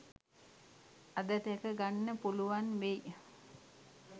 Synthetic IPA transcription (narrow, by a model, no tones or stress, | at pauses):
ad̪ət̪ekəɡanːəpuluʋanʋej